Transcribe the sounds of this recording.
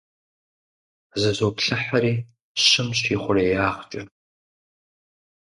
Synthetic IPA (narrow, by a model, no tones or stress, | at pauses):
zɨzoːpɬɐħaɾiː | ɕɪmɕʰiːχʷʊreːjaːχt͡ʃʼɐ